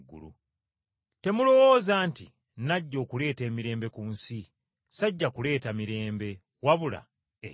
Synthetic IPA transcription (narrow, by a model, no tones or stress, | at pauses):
ɡːṵlṵ | te̞mulo̞wo̞ːzaːnti | naɟːo̞ːkule̞ːte̞ːmiɾe̞ːmbe̞kuːnsi | saɟːakule̞ːtamiɾe̞ːmbe̞ | waβula̰ | e